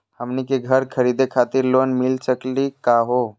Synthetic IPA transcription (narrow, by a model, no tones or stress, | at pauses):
həmnikeɡʱəɾkʰəɾid̪ekʰat̪iɾlonmilsəklikaɦo